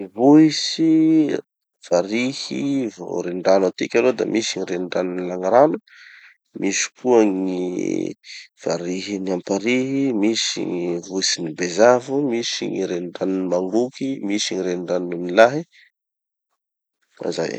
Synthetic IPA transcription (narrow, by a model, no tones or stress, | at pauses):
ivuisi | v̥aɾihivo̰ɾeɳɖ͡ʐanat̪ikʲalod̪a̰mʔisiɲiɾeɳɖ͡ʐaninilaŋaɾanə | mʔisi̥kuəŋi | v̥aɾiɦiniampaɾiɦimisḭŋivuisinibezavumisḭŋiɾeɳɖ͡ʐaninimaŋɡukimisiɲiɾeɳɖ͡ʐannumilaɦi | a̰za̰j